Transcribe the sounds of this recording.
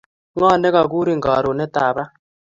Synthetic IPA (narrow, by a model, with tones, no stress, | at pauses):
ŋa˦˨nɛ˦ka˨k̬u˦ɾi˦ŋɡa˨ɾɔ˨nɛ˦taː˨βa˦